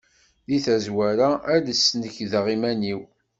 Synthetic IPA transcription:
ðiθæzwæɾaæləsːnəçðʁimæniw

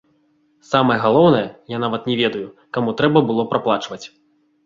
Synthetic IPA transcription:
samɐjɛɣalˠɔwnɐjɛjan̪avɐt̪nʲɛvʲɛd̪ɐjukamut̪ɾɛbɐbɨlˠɔpɾaplˠat͡ʂvɐt͡sʲ

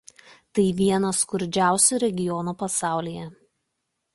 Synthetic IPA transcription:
t̪ɐɪʋʲiɛnɐskʊɾʲd͡ʒʲæˑʊsʲuˑɾʲɛɡʲɪjɔnuːpɐsɑˑʊlʲiːjɛ

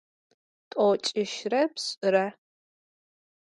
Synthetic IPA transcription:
tʼoːt͡ʃʼɪʃrɐpɕʼɨɾɐ

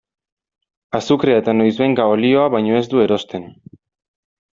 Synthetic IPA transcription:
asukɾeat̪anojzβejŋɡaolio̞aβajɲo̞e̞zd̪ue̞ɾo̞st̪e̞n

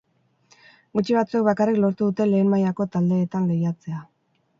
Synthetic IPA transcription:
ɡut͡ʃiβat͡suek̚βakariklo̞ɾt̪uðut̪e̞le̞ːnmajako̞t̪ald̪e̞ːt̪aŋɡejat͡se̞a

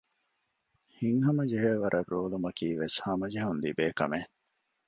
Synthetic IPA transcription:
hiŋɦɐmɐd͡ʒeɦeʋɐɾʔɐroːlumɐkiːʋeshɐmɐd͡ʒeɦund̪ibeːkɐ̰me

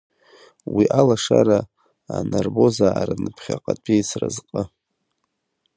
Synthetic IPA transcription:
wiʔalaʂaɾa | anarbo̞zaːɾanɨpʰχʲaqʼatʰʼijsʰrazqʼə

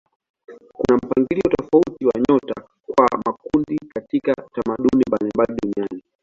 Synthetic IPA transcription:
kunam̩paŋɡiliɔtɔfautiwaɲɔta | kwamakundikatikatamaɗunimbalimbaliɗuniani

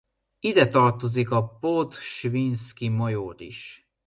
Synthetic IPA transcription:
id̪ɛt̪ɒrt̪o̞zikɒpot̪ʃvinskimojoɾḭʃ

